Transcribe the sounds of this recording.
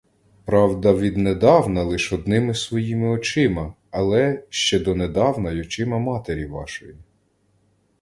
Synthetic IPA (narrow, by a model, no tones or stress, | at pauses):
pɾɑwd̪ɐʋʲid̪ned̪ɑwnɐlˠɪʃɔd̪nɪmɪsʋɔjimɪɔt͡ʃɪmɐː | lˠɛʃt͡ʃɛd̪ɔned̪ɑwnɐjɔt͡ʃɪmɐmɑt̪eɾʲiʋɑ̰ʃɔji